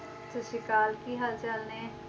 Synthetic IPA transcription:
t̪oʃɪkaːlkiɦɐlt͡ʃalnẽː

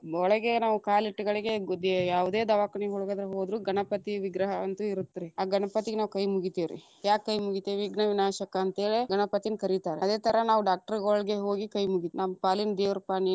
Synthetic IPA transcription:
ɔɭɐɡenaːʋukaːliʈːuɡɐɭiɡe̞d̪jaːʋud̪eːd̪ɐʋaːkɐɳiɦuɭuɡɐd̪ɾɐɦoːd̪ɾuːɡɐnɐpɐt̪iʋiɡɾɐɦɐɐnt̪uiɾut̪ːiɾiaːɡɐɳɐpɐt̪iɡenaːʋukɐjmuɡit̪iʋɾḭ | jaːkːɐjmuɡit̪eʋʋiɡnɐʋinaːʃɐkɐːnt̪eːɭeɡɐnɐpɐt̪inkɐɾit̪aːɾeɐd̪e̞ːt̪ɐɾɐnaːʋuɖaːk̚ʈɐɾɡoːɭɡe̞ɦoːɡikɐjmuɡit̪nampaːlind̪eːʋɐɾpaːni

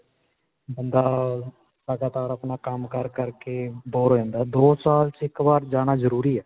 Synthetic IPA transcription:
bənd̪a | ləɡaːt̪aːɾəpnakəmkəɾkəɾkeboːɾoɛ̃ːnd̪ad̪oːsaːlt͡ʃɪkbaːɾd͡ʒaːñazəɾuːɾiɛː

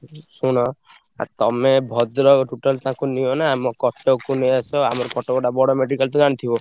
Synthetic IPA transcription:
sunɔ | a̰ɾt̪ɔmebʱɔd̪ɾɔʈuʈɔlt̪aãkuniɔnamɔkɔt̪ʰɔkuneasɔamɔɾɔkɔʈɔbɔɖabɔɽɔmeɖikalt̪ɔ̃d͡ʒaɽ̃it̪ʰibɔ

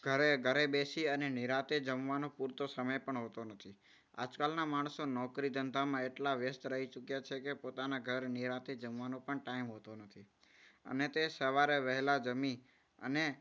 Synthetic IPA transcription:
ɡ̥ʱəɾeɡʱəɾebesiəneniɾat̪ed͡ʒəmʋanopuɾt̪osəməjpəɳɦot̪onət̪ʰi | a̰d͡ʒkalnamaɳ̃sonɔkɾid̪ənt̪amãeʈlaʋjəst̪ɾəɦit͡ʃukjat͡ʃʰekepot̪anaɡʱəɾniɾat̪ed͡ʒəmʋanõpəɳʈaimɦot̪onət̪ʰi | ə̰net̪esəʋaɾeʋəɦɛlad͡ʒəmi | ə̰ne

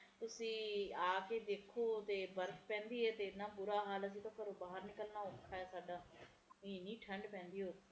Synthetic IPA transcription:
t̪ʊsĩːaːkeːd̪eːkʰoːt̪eːbəɾkpɛ̃ːnd̪iːɛːt̪eːnːãːbʊɾaːɦaːləs̬ĩːt̪õːkəɾoːbaːɦəɾnɪkəlnaːokʰːaːɛːsaːɖaː | iːnĩːʈʰəɳɖpɛ̃ːnd̪iːɦoː

